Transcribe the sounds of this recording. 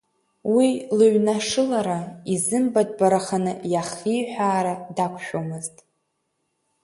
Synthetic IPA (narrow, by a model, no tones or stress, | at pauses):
wilɨɥnaʂɨlaɾaizɨmbadʼbaɾaχanɨjaχijħʷᶣaːɾadakʷʰʃᶣomɨztʼ